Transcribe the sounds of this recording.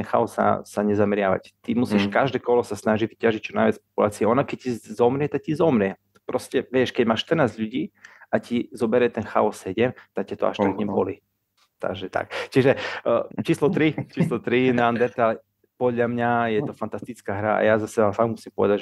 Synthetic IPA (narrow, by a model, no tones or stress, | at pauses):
ɛnxa̰ɔsːa̰saɲɛzamɛɾɪaʋa̰ct̪imusiʃkaʒd̪ɛːkɔlɔsasnaʒivicaʒic̚t͡ʃɔnaɪʋat͡spɔ̥pulaːt͡siɛɔnakɛc̚cizɔmɾɪɛt̪ak̚cizɔmɾɪɛ | pɾɔscɛʋjɛʃkɛɟmaːʃt̪ərnaːzʎuɟiːacizɔbɛɾjɛt̪ɛnxa̰ɔsːɛɟɛmt̪ak̚cat̪ɔa̰ʃt̪aɡɲɛmbɔli | t̪a̰ɡʒɛt̪a̰k̚t͡ʃiʒɛt͡ʃiːslɔt̪ɾit͡ʃiːslɔt̪ɾinaand̪ɛɾt̪alɛ | pɔd̪ʎamɲajɛt̪ɔfant̪ast̪it͡skaːɦɾaa̰jazasɛafaɡmusimpɔʋɛd̪aɟʒ